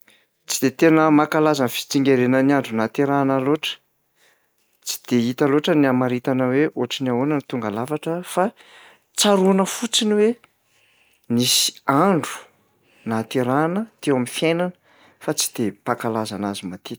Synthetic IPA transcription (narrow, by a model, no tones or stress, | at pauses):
t͡sid̪et̪enəmakalazanfi̥t͡siŋɡʲeɾenəniaɳɖ͡ʐunat̪eɾanaloʈ͡ʂə̥ | t͡si̥d̪̥eit̪aloʈ͡ʂəniamaɾit̪anəweʔoaʈ͡ʂiniaonant̪uŋɡalavaʈ͡ʂəfa | t͡saɾunəfut͡siniwe | nisi̥aɳɖ͡ʐu̥ | nat̪eɾanət̪ewamifjajnanə̥ | fat͡si̥d̪̥epakalazanazimat̪it̪